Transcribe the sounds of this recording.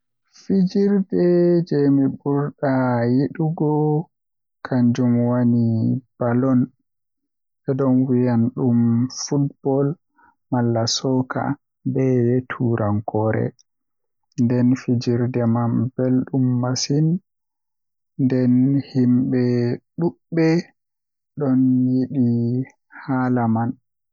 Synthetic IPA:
fid͡ʒiɾdɛd͡ʒɛmibuɾɗajiɗuɡɔ | kʰaɲd͡ʒumwanib̥alɔn | ɓɛɗɔnwijanɗumfutb̥ɔl | malːasɔkʰa̰ | bɛjetʰuːɾaŋkʰɔɾɛ̰ | ndɛnfid͡ʒiɾdɛmambelɗumːasin | ndɛnhimɓɛɗuɓːɛ | ɗɔnjiɗi | halaman

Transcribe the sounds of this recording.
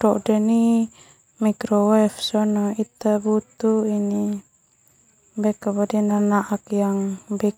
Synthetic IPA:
dɔʔdɛni | mikɾɔwɛfsɔnɔit̪abut̪uini | bɛkabadinanaʔakjaŋbɛ

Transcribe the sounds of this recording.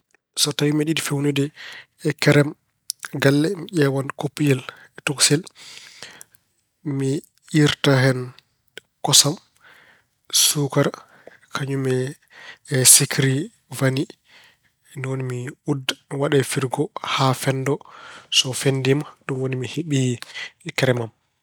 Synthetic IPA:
sɔtawimɛɗiɗifewnudɛ | kɛɾɛm | ɡalːɛmiʔɛwankopːijɛl | tɔksɛl | mi | ʔiɾtahɛn | kɔsam | sukaɾ | kʰaɲumɛ | sikɾi | vani | nwonimiudːwaɗafiɾɡɔhafɛndɔsɔfendimaɗumwonimiheɓi | kɛɾɛmam

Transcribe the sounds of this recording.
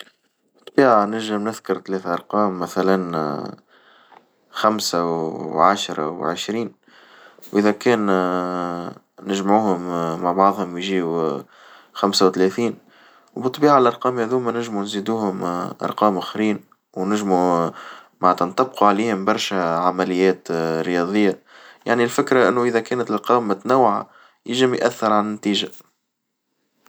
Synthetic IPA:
bɨt̪ˤːbiːʕanɪɾʒɪmnɪðkʊɾˤt̪lɛːθaʔɑɾˤqɑːmːæθælæn | xamsawʕaʃɾˤɑ̰wʕɪʃɾiːn | wʔɪðækɛːn | nɪʒmʕuːhʊmːaʕbɑʕðˤhʊmjʒiːu | xamsawt̪lɛθiːn | wbɨt̪ˤːbiːʕalʔɑɾˤqɑːmhæðuːmænɪʒmunziːd̪uːhʊmʔɑ̰ɾˤqɑːmʔæxɾiːn | wnɪʒmu | manæt̪ænt̪ɑb̚quʕaliːhɪmbɑɾˤʃæʕamælɪjːɛːt̪ɾɪjɑðˤɨjːaja̰ʕnilfɪkɾaʔɪnːuʔɪðækɛːnt̪ɪlqɑːmɪt̪næwːʕa̰ | jɪʒəmjʔæθːəɾʕannt̪iːʒa

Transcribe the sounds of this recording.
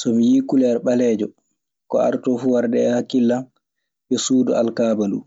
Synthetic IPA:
sɔmijiːkulɛɾɓalɛːd͡ʒɔ | kɔ̰a̰ɾtɔfuːwaɾdɛːhakilːa | bɛsuːdɔalkaːbalṵ

